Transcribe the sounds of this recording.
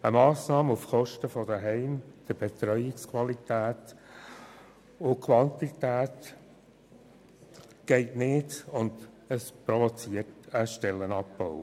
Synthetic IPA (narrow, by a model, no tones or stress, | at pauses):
əmɑːsnɑːməufχɔʃtəfɔd̥əɦɛɪmd̪̥əb̥et̪ɾœʏjɪkskʰwɑlit̪æːt | ʊkʰwɑntit̪æːt | ɡ̥ɛɪtnɪdʊnd | əspɾɔvɔt͡siərtəʃtɛlːənɑpbɔʊ